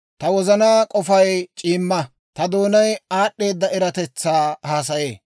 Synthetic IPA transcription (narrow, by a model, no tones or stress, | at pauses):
t̪ɐwɔzɐnaːkʼɔfɐjt͡ʃʼiːmːɐ | t̪ɐd̪oːnɐjaːʔːe̞ːd̪ːɐɛɾɐt̪ɛt͡sːaːhaːs̬ɐjeː